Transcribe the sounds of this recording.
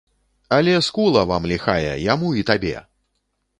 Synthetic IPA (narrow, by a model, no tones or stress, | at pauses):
ɐlʲɛskulˠɐvamlʲixajɛ̰jamuit̪abʲɛ̰